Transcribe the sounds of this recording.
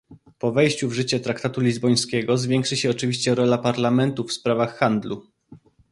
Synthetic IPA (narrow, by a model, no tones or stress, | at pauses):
pɔvɛjɕt͡ɕuvʐɘt͡ɕɛt̪ɾakt̪at̪ulʲizbɔj̃skʲɛɡɔzvʲjɛŋkʂɘɕɛɔt͡ʂɘvʲiɕt͡ɕɛɾɔlapaɾlamɛnt̪ufspɾavaxːand̪lu